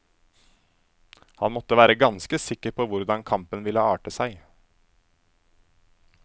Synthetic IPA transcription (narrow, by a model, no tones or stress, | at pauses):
hɑnmɔt̪ːəʋæːɾəɡɑnskəsɪkːəɾpʰoːʋʊɾd̪ɑŋkʰɑmpənʋɪləɑːʈəsæɪ